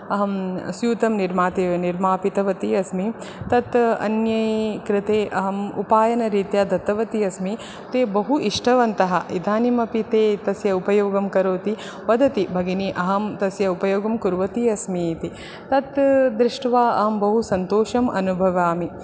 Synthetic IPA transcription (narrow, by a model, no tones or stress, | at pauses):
ɐɦɐmsjuːt̪ɐmniɾmaːt̪eːʋɐniɾmaːpit̪ɐʋɐt̪iɐsmi | t̪ɐt̪ɐ̰njɐjkɾɪt̪eːʔɐɦɐmupaːjɐnɐɾiːt̪jaːd̪ɐt̪ːɐʋɐt̪iɐsmi | t̪eːbɐɦuʔiʂʈʰɐʋɐnt̪ɐɦɐʔḭd̪ʱaːnimɐpit̪eːt̪ɐsjɐupɐjoːɡɐmkɐɾoːt̪i | ʋɐd̪ɐt̪ibʱɐɡiniʔɐɦɐmt̪ɐsjɐupɐjoːɡɐmkuɾʋɐt̪iɐsmiːt̪i | t̪ɐt̪d̪ɾɪʂʈɐʋaːɐ̰ɦɐmbɐɦusɐnt̪oːʃɐmʔɐ̰nubʱɐʋaːmi